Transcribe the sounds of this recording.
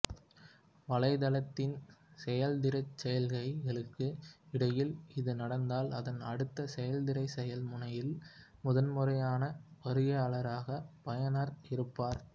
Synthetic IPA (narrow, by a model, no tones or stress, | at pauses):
ʋɐɭɐɪðɐlɐt̪ːɪnsɛjɐld̪ɪɾɐɪt͡ʃːɛjɐlɣɐɪɣɐɭɯkːɯɪɽɐjɪlɪðɯnɐɽɐnd̪aːlɐðɐnɐɽɯt̪ːɐsɛjɐld̪ɪɾɐɪsɛjɐlmʊɳɐjɪl | mʊðɐnmɯɾɐjaːnɐʋɐɾɯɣɐɐɭɐɾaːɣɐpɐjɐnaɾɪɾɯpːaːɾ